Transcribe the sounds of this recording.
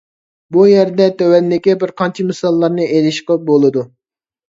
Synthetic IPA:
bujɛɾd̪ɛt̪ʰɛwɛnd̪ɪkʲɪbɪɾqʰɑnt͡ʃʰimɨsɑlˠːɑɾnɨʔelɪʃqəp̚bolˠɨd̪u

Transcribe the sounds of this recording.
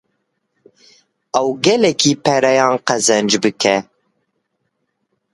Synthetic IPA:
ɛwɡɛlɛkʰiːpʰɛɾɛjɑ̃ːnqɛzɛnd͡ʒbɨkʰɛ

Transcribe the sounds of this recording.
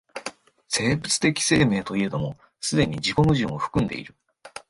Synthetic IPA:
se̞ːbɯ̟t͡sɨ̥t̪e̞kʲi̥se̞ːme̞ːt̪o̞ied̪omo̞ | sɨd̪e̞ɲ̟id͡ʑiko̞mɯ̟ʑɨ̰̃oɸɯ̟̥kɯ̟̃nd̪e̞̰ḭɾɯ̟

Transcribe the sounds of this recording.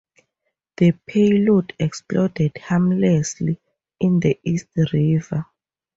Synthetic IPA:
ð̥əpʰejlɔdʰɛksplɔdɛd̥hamlɛsli | ind̪əist̚riva

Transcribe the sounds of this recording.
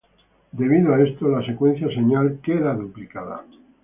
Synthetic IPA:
d̪e̞β̞iðoae̞st̪olase̞kwẽ̞n̟θjaseɲalkeðaðuplikaða̰

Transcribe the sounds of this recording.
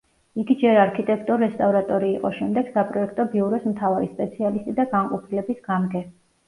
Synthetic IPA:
iɡid͡ʒɛɾaɾkʰit̪ʼɛk̚ʰt̪ʼuɾːɛst̪ʼavɾat̪ʼɔɾiːqʼɔ̰ʃɛmd̪ɛɡ̥sapʼɾɔɛk̚ʰt̪ʼɔbiuɾɔsmt̪ʰavaɾispʼɛt̪sʰialist̪ʼid̪aɡaŋqʼɔpʰilɛbisɡamɡɛ

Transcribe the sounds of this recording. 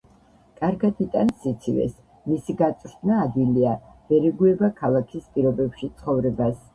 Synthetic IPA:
kʼaɾɡad̪it̪ʼansit̪sʰivɛ̰s | misiɡat̪sʼɾd̪naːd̪viliav̥ɛɾɛɡuɛbakʰalˠakʰispʼiɾɔbɛpʃit̪sʰχɔvɾɛbas

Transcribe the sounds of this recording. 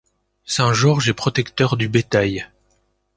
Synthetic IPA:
sɛ̃ʒɔʁʒɛpχɔt̪ɛkt̪œʁd̪ybet̪aj

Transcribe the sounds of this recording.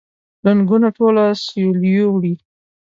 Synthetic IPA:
laŋɡunaʈolasoljowɽi

